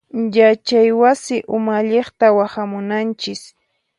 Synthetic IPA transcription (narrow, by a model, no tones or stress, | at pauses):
jat͡ʃajwasɪʔʊmaʎeχt̪awahamʊnant͡ʃɪs